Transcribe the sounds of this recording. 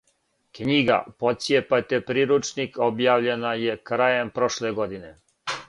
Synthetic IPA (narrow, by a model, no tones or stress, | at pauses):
kɲiɡa̰pot̪sjepat̪epɾiɾut͡ʃniko̞bjaːʋʎenajekɾajempɾo̞ʃleɡo̞d̪ine